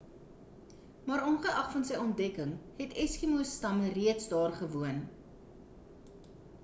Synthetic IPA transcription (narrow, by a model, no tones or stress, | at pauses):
mɑːɾɔnχəʔɐχfɐnsəjɔnt̚dɛkəŋɦɛtʰɛskimustɐməriətsdɑːrχəvuən